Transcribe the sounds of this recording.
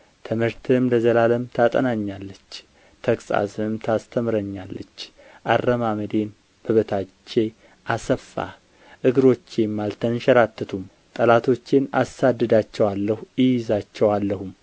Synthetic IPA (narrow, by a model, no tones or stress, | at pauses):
t̪ʰɨmhɨɾt̪ʰɨmləzəlaləmt̪ʰat̪ʼənaɲːalːət͡ʃː | t̪ʰəkʼsʼa̰sɨmt̪ʰast̪ʰəmɾəɲːalːət͡ʃː | ʔarːəmaməd̪e̞n | b̥əβət̪ʰat͡ʃːe̞ | ʔasəfːa̰ | ʔɨɡɨɾo̞t͡ʃːemːalt̪ʰənʃəɾat̪ʰːɨt̪ʰum | t̪ʼəlat̪ʰo̞t͡ʃːenasad̪ːɨd̪at͡ʃːɛwalːəhujɪjɪzat͡ʃːɛwalːəhum